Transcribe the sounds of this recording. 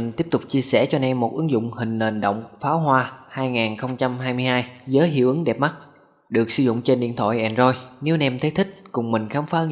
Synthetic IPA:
i˨˩ŋ̟t̪i˦˥əp̚t̪ʊ˨˩k͡p̚t͡ɕi˧əsɛ˧˩t͡ɕɔ˧nɛ˧mːo˨˩t̚ʔɨ˨˦ŋzʊ̰˧˨ŋ͡mhï˨˩ŋ̟ne˨˩ŋ̟ɗo̰˧˨wŋ͡mfaː˨˦wɦwaː˧haː˧jŋaː˨˩nxə˧wŋ͡mt͡ɕa˧mɦaː˧jmɨ˧əjhaː˧jzəː˨˦jɦḭ˧˨əwʔɨ˨˦ŋɗɛ˨˩p̚ma˦˥t̚ | ɗɨ˨˩ək̚sɨ˧zʊ̰˧˨wŋ͡mt͡ɕe˧nɗḭ˧˨ənt̪ʰw̰a̰˧˨jʔɛ˧˩nzɔ˧jne˨˦wnɛ˧mt̪ʰe˨˦jt̪ʰï˦˥k̟̚kʊ˨˩ŋ͡mmï˨˩ŋ̟xaː˨˦mfaː˨˦ʔɨ˧˦

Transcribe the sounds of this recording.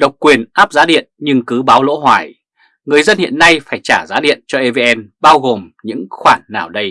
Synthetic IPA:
ɗə˨˩wk͡p̚kːwi˨˩ənʔaː˦˥p̚zaː˨˦ɗḭ˧˨ənɲɨ˧ŋkɨ˨˦ɓaː˨˦wlo̰˧˥ɦwaː˧˩j | ŋɨ˨˩əjzə˧nhḭ˧˨ənːa˧jfaː˧˩jt͡ɕaː˧˩zaː˨˦ɗḭ˧˨ənt͡ɕɔ˧ʔe˧ve˧ʔɛ˧nɓaː˧wɣo˨˩mɲɨ̰˧˥ŋxwaː˧˩nːaː˨˩wɗə˧j

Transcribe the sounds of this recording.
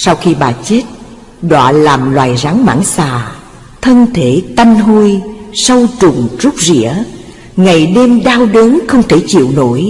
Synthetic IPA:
sa˧wxi˧ɓaː˨˩t͡ɕe˦˥t̚ | ɗwa̰ː˧˨laː˨˩mlwaː˨˩jza˨˦ŋma̰ː˧˥nsaː˨˩ | t̪ʰə˧nt̪ʰe˧˩t̪a˧jŋɦu˧jsə˧wt͡ɕʊ˨˩ŋ͡mz̥u˦˥k͡p̚zḭ˧˥ə | ŋa˨˩jɗe˧mɗaː˧wɗəː˨˦nxə˧wŋ͡mt̪ʰe˧˩t͡ɕḭ˧˨əwno̰˧˥˨j

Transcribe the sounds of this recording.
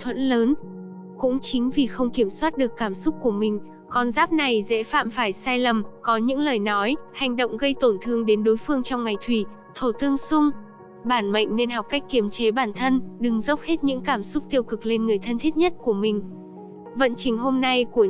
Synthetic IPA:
t̪ʰwə̰˧˥nləː˨˦n | kʊ̰˧˥ŋ͡mt͡ɕï˨˦ŋ̟vi˨˩xə˧wŋ͡mki˧˩əmswaː˦˥t̚ɗɨ˨˩əkːaː˧˩msʊ˦˥k͡p̚ku˧˩əmï˨˩ŋ̟ | kɔ˨˩nzaː˦˥p̚na˨˩jzḛ˧˥fa̰ː˧˨mfaː˧˩jsaː˧jlə˨˩mkɔ˨˦ɲɨ̰˧˥ŋləː˨˩jnɔ˨˦jha˨˩jŋ̟ɗo̰˧˨wŋ͡mɣə˧jt̪o˧˩nt̪ʰɨ˧əŋɗe˨˦nɗo˨˦jfɨ˧əŋt͡ɕɔ˧wŋ͡mŋa˨˩jt̪ʰwi˧˩ | t̪ʰo˧˩t̪ɨ˧əŋsʊ˧ŋ͡m | ɓaː˧˩nma̰˧˨ŋ̟ne˧nha˨˩p̚ka˦˥k̟ki˧˩əmt͡ɕe˨˦ɓaː˧˩nt̪ʰə˧nɗɨ˨˩ŋzə˦˥wk͡p̚he˦˥t̚ɲɨ̰˧˥ŋkaː˧˩msʊ˦˥k͡p̚t̪i˧əwkɨ˨˩k̚le˧nŋɨ˨˩əjt̪ʰə˧nt̪ʰi˦˥t̚ɲə˦˥t̚ku˧˩əmï˨˩ŋ̟ | və̰˧˨nt͡ɕï˨˩ŋ̟ɦo˧mna˧jku˧˩ə

